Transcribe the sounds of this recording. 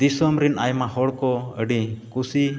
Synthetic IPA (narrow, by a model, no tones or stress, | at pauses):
d̪isɔmɾinajmahɔɽkɔəɖikusi